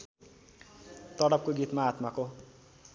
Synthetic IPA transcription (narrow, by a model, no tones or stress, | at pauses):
t̪ʌɽʌp̚koɡit̪maːt̪mako